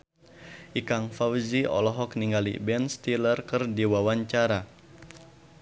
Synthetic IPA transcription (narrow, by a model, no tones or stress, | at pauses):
ʔikaŋfawziɔ̰lɔɦɔk̚niŋɡalḭbɛnst̪ilərkɨrdiwawaɲt͡ʃaɾa